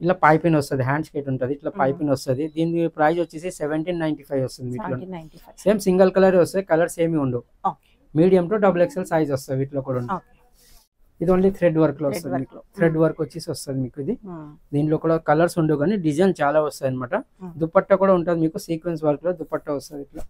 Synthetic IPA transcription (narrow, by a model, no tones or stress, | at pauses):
iʈlaːpɐjpinɐst̪ɐd̪iɦaːɳɖskeːʈuɳʈad̪iːʈlaːpɐjpinɐst̪ud̪id̪iːnpɾɐjd͡ʒʋɐt͡ʃːesiseʋeɳʈiːnːɐjɳʈipʰɐjʋɐst̪und̪iʋiːʈloseːmsiŋɡɐlkɐlɐɾeʋɐst̪ud̪ikɐlɐɾseːmiuɳɖu | miːɽijɐmʈoːɖɐbulekselsajd͡ʒɔst̪ad̪iʋiːʈloːkuːɽauɳʈ̪ː | id̪ioːnlit̪ʰɾeɖʋɐɾkloːʋɐst̪udimiːkut̪ʰɾeɖʋɐɾkʋɐt͡ʃːeːsiʋɐst̪ad̪imiːkuid̪id̪iːɳʈloːkuːɽakɐlɐɾsuɳɖuɡaːniɖid͡ʒɐjnt͡ʃaːlaːɔst̪aːjɐnimaːʈɐd̪upːɐʈːɐkuːɽaːuɳʈaːd̪imiːkusiːkʋens̬ʋɐɾkloːd̪upːɐʈːɐʋɐst̪ad̪iʈloː